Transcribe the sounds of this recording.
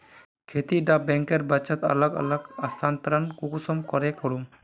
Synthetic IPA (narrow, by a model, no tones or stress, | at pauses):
kʰet̪iɖabɛŋkeɾbɐt͡ʃat̪ə̰ləɡə̰ləɡast̪ʰant̪ɾankukusɔmkɔɾɛkɔɽum